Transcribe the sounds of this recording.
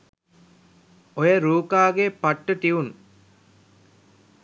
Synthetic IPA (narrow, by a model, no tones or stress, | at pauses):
ojəɾuːkaːɡepaʈːəʈ̪iʋun